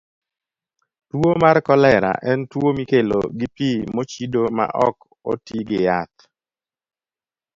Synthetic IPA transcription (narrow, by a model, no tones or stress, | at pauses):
twomarkɔlɛɾa̰ʔɛntwomikelo̰ɡɪpimot͡ʃidoma̰ʔɔ̰k | o̰tiɡɪjat̪̚